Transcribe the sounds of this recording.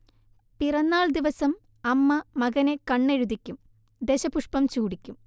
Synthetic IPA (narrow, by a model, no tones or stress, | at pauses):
pirɐnːaːɭd̪iʋɐsɐm | ɐmːɐmɐɣɐnekɐɳːeɻud̪ikʲːum | d̪eɕɐpuʂpɐmt͡ɕuːɽikʲːum